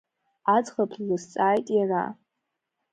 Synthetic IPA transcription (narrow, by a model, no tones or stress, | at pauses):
ad͡zχapʰlɨst͡sʼaːjtʼjara̰